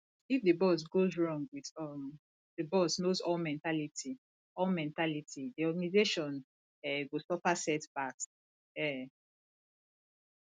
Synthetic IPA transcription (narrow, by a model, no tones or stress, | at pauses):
ifdebɔs̬ɡozɹɔ̃ŋɡwiðɔm | dəbɔsnozɔlmɛ̃ntalitʰi | ɔlmɛ̃ntalitʰidiɔɡanizeʃɔ̃n | ɛɡosɔfasɛtb̥ak | ɛ